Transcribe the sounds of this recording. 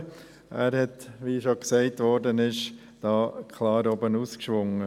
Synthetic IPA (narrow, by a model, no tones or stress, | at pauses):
ʔæːɾhɛt̪ʋiʃɔksɛɪtʋɔɾdənɪʃ | d̥ɑːkʰlɑːɾɔbənuːskʃʋʊŋːə